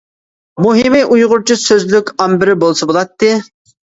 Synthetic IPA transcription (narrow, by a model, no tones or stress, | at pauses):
muɦɪmiʔujʁʊɾt͡ʃʰisøzlykʲɑmbɪɾɪbolˠsəbolˠɑt̪ːɨ